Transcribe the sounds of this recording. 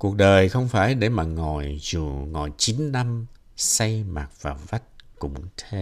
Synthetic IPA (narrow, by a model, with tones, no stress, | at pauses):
ku˨˩ək̚ɗəː˨˩jxə˧wŋ͡mfaː˧˩jɗe˧˩maː˨˩ŋɔ˨˩jzu˨˩ŋɔ˨˩jt͡ɕi˨˦nːa˧m | sa˧jma˨˩t̚v̥aː˨˩va˦˥t̚kʊ̰˧˩ŋ͡mt̪ʰe˧˦